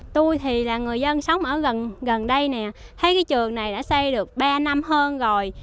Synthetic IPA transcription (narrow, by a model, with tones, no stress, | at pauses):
t̪u˧jt̪ʰi˨˩laː˨˩ŋɨ˨˩əjzə˧nsə˨˦wŋ͡mʔəː˧˩ɣə˨˩nɣə˨˩nɗə˧jnɛ˨˩t̪ʰə˨˦jkaː˨˦jt͡ɕɨ˨˩əŋna˨˩jɗa̰ː˧˥sɛ˧jɗɨ˨˩ək̚ɓaː˧na˧mɦəː˧nzo˨˩j